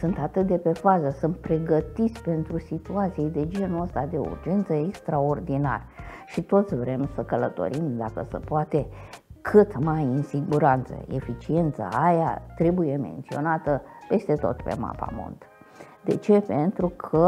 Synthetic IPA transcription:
sɨnt̪at̪ɨt̪̚d̪e̞pe̞fazəsɨnt̪̚pɾe̞ɡət̪it̪sʲpe̞nt̪ɾusit̪uat̪sijejd̪e̞d͡ʒe̞nuəst̪ad̪e̞̰ṵrd͡ʒe̞nt̪səekst̪ɾaord̪ina̰rʃit̪o̞t̪sʲvɾe̞msəkələt̪o̞̰ɾimd̪akəsḛpoat̪e̞ | kʰɨt̪majɨinsiɡuɾant̪sə̰e̞̰fit͡ʃie̞nt̪sa̰aja̰t̪ɾe̞buje̞me̞̰nt̪sio̞̰nat̪əpe̞st̪e̞t̪o̞̰t̪pe̞̰ma̰pa̰mo̰nt̪ə | d̪e̞̰t͡ʃe̞pe̞nt̪ɾukʰə

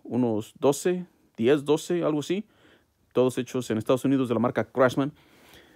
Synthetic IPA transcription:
unozd̪o̞se | d̪̥je̞z̬d̪o̞se̞alɣoasi | t̪o̞ðose̞t͡ʃosenest̪aðosunið̞ozðelamaɾkakɾasmãn

